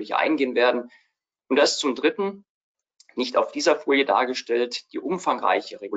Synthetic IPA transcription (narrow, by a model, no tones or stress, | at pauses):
lɪçʔa̰ɪnɡeːənveːɐdn̩ | ʔʊntd̥aɪst͡sʊmdʁɪtn̩ | nɪçta̰ʊfd̥iːzɐfoːljəda̰ːɐɡəʃtɛltd̥ḭːʔʊmfaŋʁa̰ɪçəʁeɡu